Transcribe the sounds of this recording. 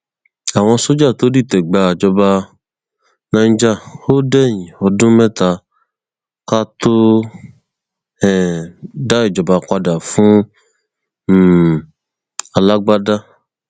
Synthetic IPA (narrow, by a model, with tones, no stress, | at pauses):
a˨w̃ɔ̃˧so˦d͡ʒa˦˨t̪o˨˦di˦˨t̪ɛ˨ɡ͡ba˧˨d͡ʒɔ˧ba˧ | nã˧˦d͡ʒa˦˨o˦dɛ˦˨ɲĩ˨ɔ˧dũ˦mɛ̃˦t̪a˧ | ka˦t̪o˦ | ɛ˨da˦e˨d͡ʒɔ˨ba˧kʷa˧da˨fũ˦˨ | a˨la˦ɡ͡ba˦da˦